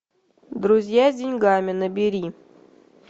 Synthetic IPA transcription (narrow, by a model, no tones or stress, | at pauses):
d̪ɾʊzʲjazʲdʲɪnʲɡamʲɪnəbʲɪɾʲi